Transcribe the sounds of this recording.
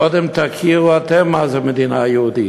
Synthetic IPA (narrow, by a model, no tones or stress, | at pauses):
ɔd̪ɛmt̪ʰakʰiat̪ʰɛmazamɪd̪inajoːd̪i